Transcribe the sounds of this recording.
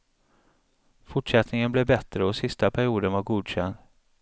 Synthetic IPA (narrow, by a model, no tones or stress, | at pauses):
fʊʈʂɛt̪nɪŋənblɛbɛt̪ɾəɔsɪst̪apʰæɾɪuːd̪ənvaɾɡuːd̪ɕɛnd̪